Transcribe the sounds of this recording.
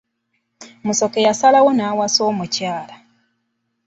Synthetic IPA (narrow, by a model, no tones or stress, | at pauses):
muso̞kejasalawonaːwaso̞ːmucaːla